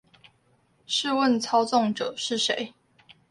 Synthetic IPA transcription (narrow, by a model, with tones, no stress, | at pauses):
ʂɻ̩˥˧wə˥˨nt͡sʰɑ˥ʊt͡sɔ˥˨ŋʈ͡ʂə˨˩ʂɻ̩˥˨ʂe˨˦ɪ